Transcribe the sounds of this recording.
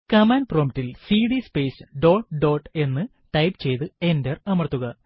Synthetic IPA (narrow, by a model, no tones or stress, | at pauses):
kɐmaːnproːmtːilsiːɽispe̞ːsɨɖo̞ːʈɖo̞ːʈːe̞nːɨ | ʈɐjpt͡ɕe̞jt̪ɨe̞nderɐmɐrt̪ːuɣɐ